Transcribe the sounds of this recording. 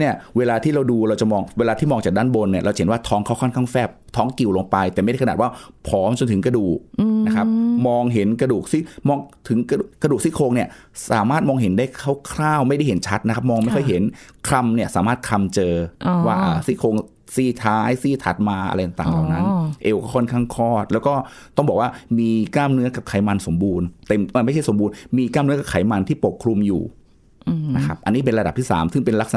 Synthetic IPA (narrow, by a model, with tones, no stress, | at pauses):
ni˥˩ɐweː˧laː˧t̪ʰiː˥˩ɾa˧wduː˧ɾa˧wt͡ɕa˨˩mɔː˧ŋweː˧laː˧t̪ʰiː˥˩mɔː˧ŋt͡ɕaː˨˩k̚daː˥˩nbo˧nːi˥˩ɐɾa˧wt͡ɕa˨e˦nwaː˥˩t̪ʰɔː˦˥ŋkʰaː˦˥˩wkʰɔː˥˩nkʰaː˥˩ŋfɛː˥˩p̚t̪ʰɔː˦˥ŋki˨˩wlo˧ŋpa˧jt̪ɛː˨˩ma˥˩jda˥˩kʰnː˨˩wːpʰɔː˦˥mt͡ɕo˧nt̪ʰɯ˩˦ŋkɾa˧duː˨˩k̚na˦˥kʰa˦˥p̚mɔː˧ŋɦe˩˦nkɾa˧duː˨˩k̚siː˥˩mɔː˧ŋt̪ʰɯ˩˦ŋka˧u˨˩kɾa˧du˨˩k̚siː˥˩kʰoː˧ŋni˥˩ɐsa̰ː˨˩˦maː˥˩t̪̚mɔː˧ŋɦe˩˦ndaː˥˩jkʰa˦˥˩wkʰɾaː˥˩wma˥˩jda˥˩jɦe˩˦nt͡ɕʰa˦˥t̪̚na˦kʰp̚mɔː˧ŋma˥˩jkʰɔ˥˩jɦe˩˦nkʰɾa˧mni˥˩ɐsaː˩˦maː˥˩t̪̚kʰa˧mt͡ɕɤː˧waː˥˩ʔaː˨˩siː˥˩kʰoː˧ŋ | siː˥˩t̪ʰaː˦˥jsiː˥˩t̪ʰa˨˩t̪̚maː˧ʔa̰˧ɾa˧jt̪a˨˩t̪aː˨˩lla˨˩na˦˥nʔe˧wkɔ˥˩kʰɔ˥˩nkʰaː˥˩ŋkʰɔː˥˩t̪̚lɛː˦˥wkɔː˥˩t̪ɔ˥˩ŋbɔː˨˩waː˥˩miː˧kaː˥˩mnɯ˦˥ɐka˨˩p̚kʰaː˩˦jma˧nso˨˩˦mbuː˧nt̪e˧mː˧˩ma˥˩jt͡ɕʰa˥˩jso˩˦mbuː˧nmiː˧kaː˥˩mnɯ˦˥ɐka˨˩p̚kʰaː˩˦jma˧nt̪ʰiː˥˩po˨˩kʰɾu˧mjṵː˨˩˧ | na˦˥kʰa˦˥p̚ʔa˧nːiː˦˥p̬e˧nɾa˧a˨˩p̚t̪ʰiː˥˩sa̰ː˩˦msɯ˥˩ŋpe˧nla˦˥k̚sa˧